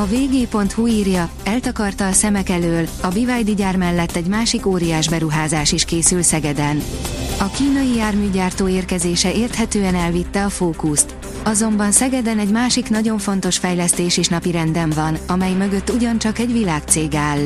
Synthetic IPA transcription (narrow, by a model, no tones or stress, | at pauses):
ɒveːɡeːpo̞nt̪huiːrjɒɛlt̪ɒkɒrt̪ɒːsɛmɛkɛløːlɒbivajd̪iɟaːrmɛlːɛt̪ːɛɟmaːʃikoːɾijaːʒbɛɾuɦaːzaːʃiʃkeːsylsɛɡɛd̪ɛnɒkiːnɒjijaːrmyːɟaːrt̪oːeːrkɛzeːʃɛeːrt̪hɛt̪øːɛnɛlvit̪ːɛɒfoːkust̪ | ɒzo̞mbɒnsɛɡɛd̪ɛnɛɟmaːʃiknɒɟo̞ɱfo̞n̪t̪o̞ʃfɛjlɛst̪eːʃeʃnɒpiɾɛnd̪ɛɱvɒnɒmɛjmø̞ɡø̞t̪ːuɟɒnt͡ʃɒkɛɟʋilaːkt̪seːɡaːlː